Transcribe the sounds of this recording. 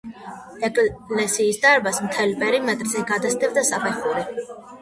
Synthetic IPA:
ɛkʼlɛsiːsd̪aɾbasmt̪ʰɛlipʼɛɾimɛt̪ʼɾzɛɡad̪asd̪ɛbd̪asapʰɛχuɾɛ

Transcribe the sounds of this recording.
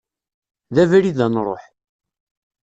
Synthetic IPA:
ðævæɾiðænɾˤo̰ħ

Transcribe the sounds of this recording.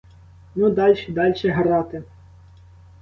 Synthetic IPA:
nud̪ɑlʲʃid̪ɑlʲʃɛɦɾɑt̪ɪ

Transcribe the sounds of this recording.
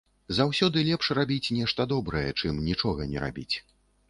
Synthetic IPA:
zawsʲɔd̪ɨlʲɛpʂrabʲit͡sʲnʲɛʂt̪ɐd̪ɔbɾɐjɛt͡ʂɨmnʲit͡ʂɔɣɐnʲɛ̰ɾa̰bʲit͡sʲ

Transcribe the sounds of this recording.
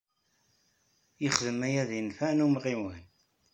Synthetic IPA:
jəχðəmæjæðjənfænumʁiwən

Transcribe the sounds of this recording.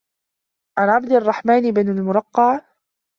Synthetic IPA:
ʕanʕab̚d̪ɑrˤːɑħmaːnɪbanalmʊɾˤɑqːɑʕ

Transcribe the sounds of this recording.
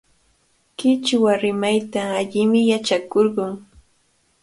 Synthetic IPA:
kɪt͡ʃwaɾɪmajt̪aːʎɪmɪjat͡ʃakoɾɢʊŋ

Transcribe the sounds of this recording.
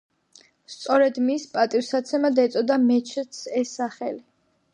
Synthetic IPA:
st̪sʼɔɾɛd̪mispʼat̪ʼivsat̪sʰɛmad̪ɛt̪sʼɔd̪amɛt͡ʃʰt̪sɛsaχɛli

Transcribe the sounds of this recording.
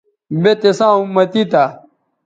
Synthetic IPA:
bet̪esãːũmɐt̪it̪a

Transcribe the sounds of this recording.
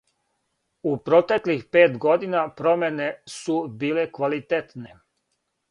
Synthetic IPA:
upɾot̪eklixpe̞ːt̪ɡo̞d̪inapɾo̞menesubiːlekʋalit̪et̪ne

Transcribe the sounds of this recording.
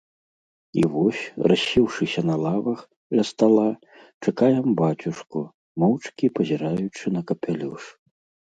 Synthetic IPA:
ḭvɔsʲrɐɕʲːiwʂɨsʲɐnɐlˠavɐx | lʲɐst̪alˠa | t͡ʂakajɛmbat͡sʲuʂku | mɔwt͡ʂkʲipɐzʲiɾajut͡ʂɨnɐkɐpʲalʲuʂ

